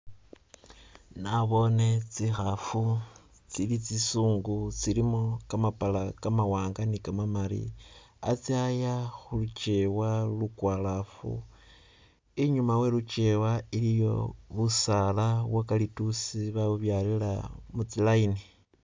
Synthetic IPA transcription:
naβo̞ne̞t͡sixafu | t͡silit͡sisuːŋɡut͡silimokamapalakamawaːŋɡanikamamaɾḭ | a̰t͡siajaxulut͡ʃe̞walukwalafṵ | iɲumawe̞lut͡ʃe̞wailijo̞̰βusaːlawakalitusiβaβuβjalilamut͡silaini

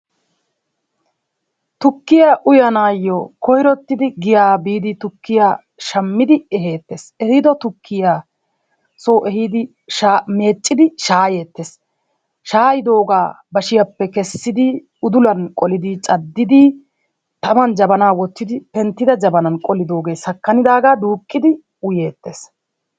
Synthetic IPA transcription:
t̪ʊkːɪjaʔʊjɐnaːjːɔkɔjɾɔt̪ːɪd̪ɪɡɪjaːbiːd̪ɪt̪ʊkːɪjaː | ʃɐmːɪd̪ɪɛɦeːt̪ːesɛhɪd̪ɔt̪ʊkʰːɪjaː | soːʔɛhɪd̪ɪ | ʃame̞ːt͡ʃʼːɪd̪ɪʃaːje̞ːt̪ːes | ʃaːjɪd̪o̞ːɡaː | bɐʃɪjɐpːɛkɛsːɪd̪ɪ | ʊd̪ʊlɐnkʼɔlɪd̪ɪt͡ʃʼɐd̪ːɪd̪ɪ | t̪ɐmɐnd͡ʒɐbɐnaːwɔt̪ːɪd̪ɪpɛnt̪ːɪd̪ɐd͡ʒɐbɐnɐnkʼɔlɪd̪o̞ːɡe̞ːsɐkːɐnɪd̪aːɡaːd̪uːkʼːɪd̪ɪ | ʊje̞ːt̪ːeːs

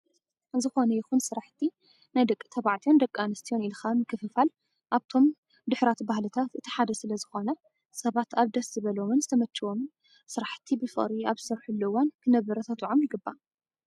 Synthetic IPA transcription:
ɨzɨxonɐjɪxunsɨɾaħt̪ʰi | najd̪ɐkʼːɨ̥t̪ʰɐβaʕt̪ʰijond̪ɐkʼːanɐst̪ʰijo̞nilxʰanmɨkʰɨfɨfal | ʔaβt̪ʰo̞m | d̪ʊħɾat̪bahlɨt̪ʰat̪ʔɨt̪ʰi̥ħad̪ɐsɨlɐzɨxo̞nɐ | sɐβat̪aβd̪ɐszɨβɐlo̞mɨnzɨt̪ʰɐmɐt͡ʃːɨwo̞mɨn | sɨɾaħt̪ʰibɨfɨ̰χʼɾiaβɨsɐɾħulːɐwankʰɨnɐβɐɾɐt̪ʰat̪ʼuʕomjɪɡɨbːa

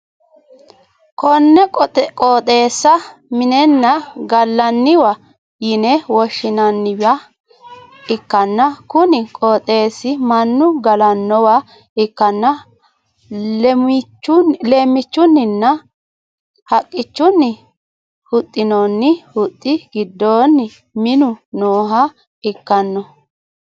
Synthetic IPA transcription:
kɔnːɛkʼkʼɔːt̪ʼe̞ːsːɐmɪnɛnːɐɡɐlːɐnːɪwɐ | jɪnɛwɔʃːɪnɐnːɪwa | ɪkːɐnːɐkʊnɪkʼɔːt̪ʼe̞ːsːɪmɐnːʊɡɐlɐnːɔwɐ | ɪkːɐnːɐ | t͡ʃːʊle̞ːmːɪt͡ʃːʊnːɪnːɐ | hɐkʼːɪt͡ʃːʊnːɪ | hʊt̪ʼːɪnonːɪhʊt̪ʼːɪɡɪd̪ːoːnːɪ | mɪnʊnoːɦɐ | ɪkːɐnːɔ

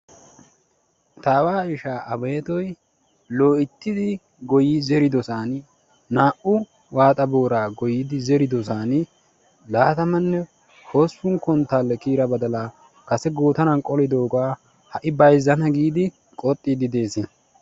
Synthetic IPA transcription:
t̪aːwaːɪʃaːʔɐbeːt̪ɔj | lo̞ːɪt̪ːɪd̪ɪ | ɡɔjɪzɛɾɪd̪ɔsaːn | naːʔʊ | waːt̪ʼɐboːɾaːɡɔjɪd̪ɪzɛɾɪd̪ɔsaːn | laːt̪ɐmɐnːɛ | ho̞ːsːʊŋkɔnt̪ːaːlːɛkiːɾɐbɐd̪ɐlaː | kɐsɛɡoːt̪ɐnɐnkʼɔlɪd̪o̞ːɡaː | hɐʔɪbɐjzːɐnɐɡiːd̪ɪ | kʼɔt̪ʼːid̪ɪd̪e̞ːsɪn

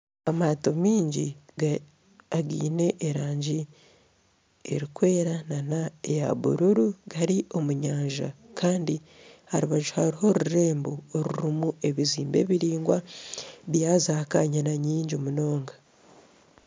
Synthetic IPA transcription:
amaːto̞miːɲɟiɡa | aɡḭːne̞ʔːɾaːɲɟi | ḛɾikwe̞ːɾananaeja̰βṵɾuɾuɡ̥aɾiʔo̞muɲaːɲʒa̰kʰaːndi | haɾuβaʒuhaɾiho̞ɾuɾe̞ːmbooɾuɾimue̞βiziːmbe̞̰ːβiɾiːŋɡwaβjaːzakaɲanaɲiːɲɟiomuno̞ːŋɡḁ

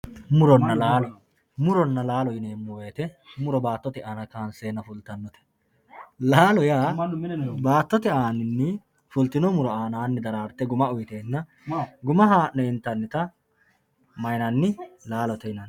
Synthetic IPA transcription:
mʊɾɔnːɐlaːl | mʊɾɔnːɐlaːlɔjɪneːmːɔweːt̪ɛmʊɾɔbaːt̪ːɔt̪ɪʔaːnɐkaːnseːnːɐfʊlt̪ːɐnːɔt̪ɛ̥ | laːlɔjaː | baːt̪ːɔt̪ɛaːnɪnːɪ | fʊlt̪ɪnɔmʊɾɔaːnaːnːɪd̪ɐɾaːɾt̪ːɛɡʊmɐʊjt̪eːnːɐ | ɡʊmɐɦaːʔɔɪnt̪ːɐnːɪt̪ɐ | mɐjnɐnːɪlaːlɔt̪ɛnɐn

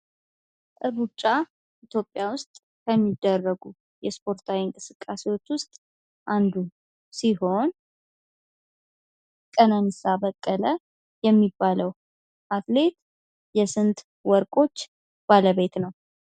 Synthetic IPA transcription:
ʔɨɾut͡ʃʼːa | ʔit̪ʰjo̞pʼːjawʊst̪ʼ | kʰəmːid̪ːərːəɡu | jɛspʰo̞ɾt̪ʰawiɨŋkʼɨsɨkʼːasewo̞t͡ʃːwʊst̪ʼ | ʔand̪u | siɦo̞n | kʼənanisabəkʼːələ | jɛmːibːaləw | ʔat̪le̞t̪ | jɛsɨnt̪ | wɔɾkʼo̞t͡ʃː | b̥aləβe̞t̪nəw

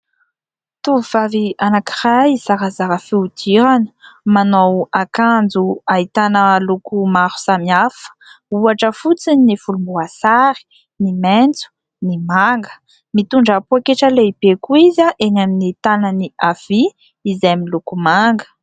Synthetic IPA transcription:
t̪uvuv̥avianakirajizaɾazaɾəfiud̪iɾanə̥manowakand͡zuait̪anəlukumaɾu̥samiafə̥uaʈ͡ʂəfut͡sininifulumbuasaɾi̥ | nimɛnt͡su̥ | nimaŋɡə̥ | mit̪uɳɖ͡ʐəpuakeʈ͡ʂəleibekuizaʔenaminit̪anəniav̥i | izajamilukumaŋɡə̥

